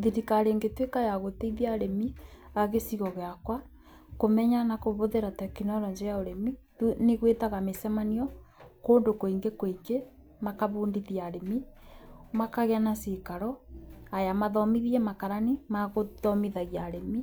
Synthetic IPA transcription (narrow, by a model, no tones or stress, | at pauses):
ðiɾikaɾeŋɡetwekajaɣoteiðiaɾemiaɣesiɣɔɣeakwa | komɛɲanakoβoðeɾatɛkinɔɾɔɲd͡ʒeɾaoɾemitneɣwetaɣamesɛmaniɔkoːndokoiŋɡekoike | makaβuːndiðiaɾemi | makaɣeanasekaɾɔajamaðɔmiðiɛmakaɾanimaɣoðɔmiðaɣiaɾemi